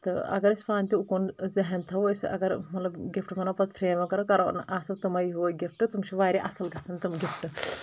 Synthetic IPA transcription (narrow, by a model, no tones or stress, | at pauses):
t̪ɐ̰ɐ̰ɡɐɾispaːnʲt̪iukonzɐɦɛnt̪ʰɐwsɐ̰ɡɐɾmɐt̪lɐbɡɪfʰʈmɐnapɐt̪̚pʰɾeːmɐkɐɾokɐɾonʔaːsɐb̚t̪ɐmɐjiɦuɡɪpʰʈɨt̪umsiʋaːɾiʔɐsɐlɡɐsɐnt̪umɡɪfʰʈɨ